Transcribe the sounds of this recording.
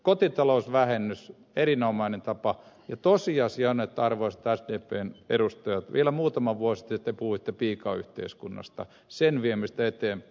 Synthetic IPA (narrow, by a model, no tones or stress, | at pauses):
kot̪it̪ɑlousʋæhenːys | erinomɑinent̪ɑpɑ | jɑt̪osiɑsiɑnet̪ːɑrʋoisɑt̪æsdeːpeːnḛrust̪ɑjɑt̪ʋielæmuːt̪ɑmɑʋʋuosi̥t̪ːit̪ːepuhuit̪ːepiːkɑːy̰ht̪ḛiskunːɑ̰st̪ɑ̰ | senʋiemist̪æet̪eːmp